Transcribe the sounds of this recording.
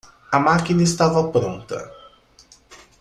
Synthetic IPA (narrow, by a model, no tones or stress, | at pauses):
ɐmakinɐɪst̪avɐpɾõnt̪ɐ̰